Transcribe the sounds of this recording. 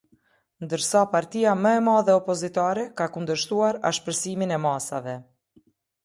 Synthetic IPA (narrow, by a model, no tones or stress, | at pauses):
nd̪əɾsapaɾt̪ijaməɛmaðɛɔpɔzit̪aɾɛkakund̪əɾʃt̪uaɾaʃpəɾsiminɛmasavɛ